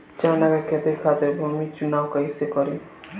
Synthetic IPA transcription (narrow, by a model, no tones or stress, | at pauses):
t͡ʃanakekʰet̪iɾkʰat̪ɪɾbʱumit͡ʃunawkəisekɔɾe